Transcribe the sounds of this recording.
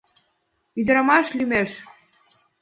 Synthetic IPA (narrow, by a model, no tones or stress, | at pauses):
yd̪ə̆ɾɑmɑʃlymeʃ